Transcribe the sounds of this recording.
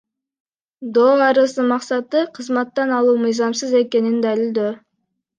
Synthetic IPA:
d̪oːɑɾɯsəmɑqsɑt̪ɯqʰəzmɑt̪ːɑnɑlˠuːmɨjzɑmsəze̞ke̞nind̪ælild̪ø

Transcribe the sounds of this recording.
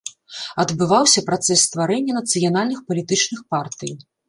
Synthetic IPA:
ɐd̪bɨvawsʲɐpɾat̪sɛsːt̪vaɾɛnʲːɐnɐt̪sɨjanalʲnɨxpɐlʲit̪ɨt͡ʂnɨxpart̪ɨj

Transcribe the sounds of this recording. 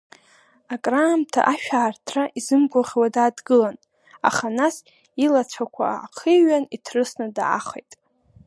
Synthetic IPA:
akʼraːmtʰa̰ʔaʃᶣaːrtʰraʔizɨmɡʷaʁʲwadaːdɡɨlan | a̰χanas | ilat͡ɕʷʰakʷʰa̰ːqʰiɥanitʰrɨsnɨdaa̰χejtʼ

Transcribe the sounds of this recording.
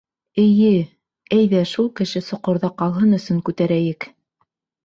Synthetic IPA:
ɘ̆jɘ | æjðæʃulˠkɘ̆ʃɘsŏqŏɾðɑqɑlˠɦɤnɵ̆sɵŋkʉt̪æɾæjɘk

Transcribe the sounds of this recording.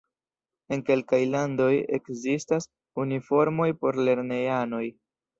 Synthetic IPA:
e̞nke̞lkajlando̞je̞̰kzistas | unifo̞ɾmo̞jpo̞ɾle̞ɾne̞ano̞j

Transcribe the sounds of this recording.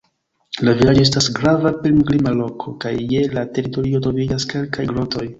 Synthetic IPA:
lavilad͡ʒoe̞s̬tasɡɾavapilmklimalo̞kʰo̞kajːe̞late̞ɾito̞ɾio̞tɾo̞vid͡ʒaske̞lkajɡɾo̞to̞j

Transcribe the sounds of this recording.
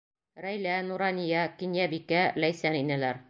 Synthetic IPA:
ɾæjlænuɾɑnʲijɑkinjæbikælæjsæninælæɾ

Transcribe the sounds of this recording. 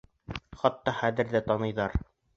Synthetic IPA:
χɑt̪ːɑχæðɘ̆ɾðæt̪ɑnɤ̆jðɑɾ

